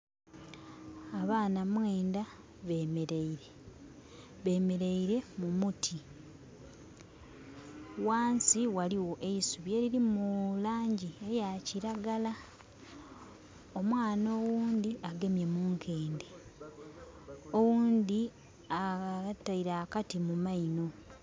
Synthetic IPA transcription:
aβaːnamwe̞ːnda | βe̞ːmeɾeiɾe | βe̞me̞ɾeiɾe̞mumutʰi | waːnsiwaliwo̞ʔe̞isuβjeːɾiɾimulaːɲɟie̞jaciɾaɡala | omwaːno̞ːwuːnd̪iʔaɡe̞mje̞muːŋkʰe̞ːnde | owuːnd̪i | ataiɾakatimumaino̞

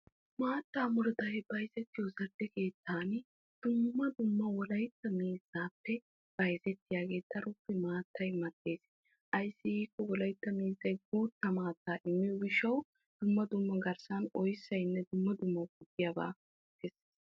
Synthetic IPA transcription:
maːt̪ːaːmʊɾd̪ɐjbɐjzɛt̪ːɪjɔzɐɾd̪ɛke̞ːt̪ːaːn | d̪̥ʊmːɐd̪ʊmːɐwɔlɐjt̪ːɐmiːzaːpːɛ | b̥ɐjzɛt̪ːɪjaːɡe̞ːt̪ːɐɾʊpːɛmaːt̪ːɐjmɐd̪ːe̞ːs | ʔɐjsːɪhiːkːɔwɔlɐjt̪ːɐmiːzːɐjɡuːt̪ːɐmaːt̪ːaːʔɪmːɪjɔɡɪʃɐw | d̪̥ʊmːɐd̪ʊmːɐɡɐɾsɐnɔjsːɐjnːɛd̪ʊmːɐd̪ʊmːɐwɡʊd̪ːɪjɐba̰ː | kɛseːs

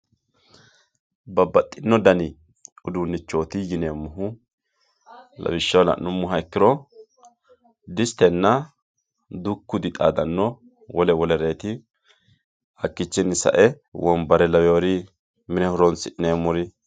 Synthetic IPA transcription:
bɐbɐt̪ʼːɪnːɔd̪ɐnɪ | ʊd̪unːɪt͡ʃːo̞ːt̪ɪjɪneːmːʊɦʊ | lɐ̰bɪʃːɐwlɐ̰nːʊmːʊɦɐɛkːɪɾɔ | d̪ɪst̪ɛnːɐ | d̪ʊkːʊd̪ɪt̪ʼa̰ːd̪ɐnːɔ | wɔlɛwɔlɛɾe̞ːt̪ɪ | ɐkːɪt͡ʃːɪnːɪsɐ̰ʔɛ | wɔnbɐɾɛlɐwjoːɾɪ | mɪnɛhʊɾɔnsɪʔɪnemːʊɾɪ

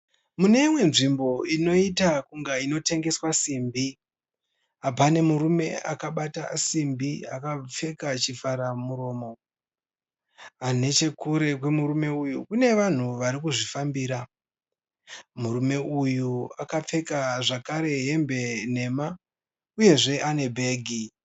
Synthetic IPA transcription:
mune̞imwe̞nʐimbo̞ino̞itakuŋɡaino̞te̞ŋɡe̞swasimbi | apane̞muɾume̞akaɓata̰simbiakap͡fe̞kat͡ʃifaɾamuɾo̞ːmo̞ | ane̞t͡ʃe̞kuɾe̞kwe̞muɾume̞ujukune̞ʋan̤uʋaɾikuʐifambiːɾa | muɾume̞ujuakap͡fe̞kaʐakaɾe̞ɦe̞mbe̞n̤e̞ma | uje̞ʐe̞ʔane̞bʱe̞ːɡʱi

